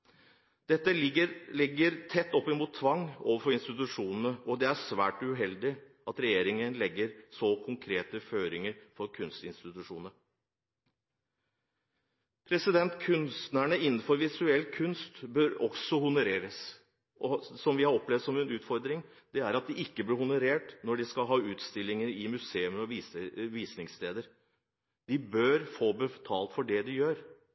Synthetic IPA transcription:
d̪̥ɛt̪ːəlɪɡəɾlɪɡːəɾt̪ʰɛt̪ːɔpːəmuːt̪ʰːʋɑŋːoːʋəɾfɔɾɪnst̪ɪt̪ʉʂuːnn̩əɔd̪ɛæʂʋæ̰ːʈʉɦɛld̪ɪ | ɑt̪ɾɛjeːɾɪŋənlɛɡːəɾsɔkʰʊŋkʰɾeːt̪əføːɾɪŋəɾfɔɾkʰʉnst̪ɪnst̪ɪt̪ʉʂuːnəɾ | pʰɾɛsɪd̪ɛnt̪kʰʉnst̪næɳəɪn̩ːfɔɾʋɪsʉɛlːkʰʉnst̪bøːɾɔɡsɔhʊnʊɾeːɾəs | ʔɔsɔmʋɪhɑɾɔplɛʋd̪sɔmɛnʉːt̪fɔɾd̪ɾɪŋ | d̪̥ɛæɾɑt̪̚d̪ɪɪkːəblɪhʊnʊɾeːʈnɔɖɪskɑlɦɑːʉːt̪st̪ɪlːɪŋəɾɪmʉseːʉməɾɔʋiʋiːsnɪŋst̪eːd̪əɾ | d̪̥ɪbøɾfoːbət̪ʰɑːlt̪fɔɖɛd̪ɪjøːɾ

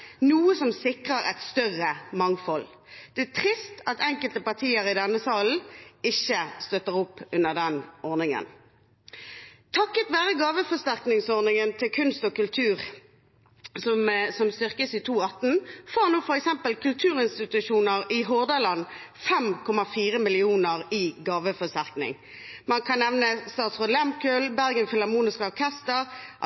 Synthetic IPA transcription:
nuːəsɔmsɪkʁəʁɛ̰t̪st̪œʁəmɑŋfɔl | d̪̥ɛæt̪ʰʁɪst̪ɑt̪ɛŋkəlt̪əpɑʁt̪ʰiːəʁɪd̪ɛnːəsɑːln̩ɪçːəst̪œt̪əʁɔpːʉnːəʁd̪ɛnɔʁnɪŋə̰n | t̪ʰɑkːət̪ʋæːʁəɡɑːʋəfɔst̪æʁknɪŋsɔʁnɪŋənt̪ʰɪlkʰʉnst̪ɔkʉlt̪ʰʉːʁ | sɔmsɔmst̪ʏʁkəsiːt̪ʰuːɑt̪n̩foːʁnuːfɔɾɛksɛmpəlkʰʉlt̪ʰʉːʁɪnst̪ɪt̪ʉʃuːnəʁɪɦoːʁd̪ɑlɑn | fɛmkʰɔmɑfiːʁəmɪlɪuːnəʁɪɡɑːʋəfɔst̪æʁknɪ̰ŋ | mɑnkʰɑnːɛʋnəst̪ɑːt̪sʁoːd̪lɛmkœlbæʁɡənfɪlɑmuːnɪskəɔʁkʰɛst̪əʁ

